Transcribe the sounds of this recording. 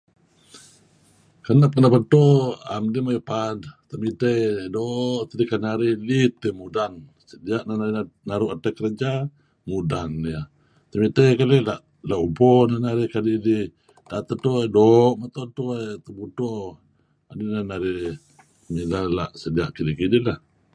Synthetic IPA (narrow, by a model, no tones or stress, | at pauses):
kanapanapət̪ɔa̰mdimajipadt̪əmit̪əjdɔʔt̪ədikanaɾilit̪əmudan | sədiaʔnananaɾuʔatakəɾəd͡ʒa | mudanːja | t̪əmit̪əjkalelaʔ | laʔubɔnanaɾɪhkadili | dat̪ət̪ɔdɔʔmat̪ɔt̪uat̪əbut̪ɔ | adinanaɾi | milala̰ʔsədiaʔkilikidiʔlah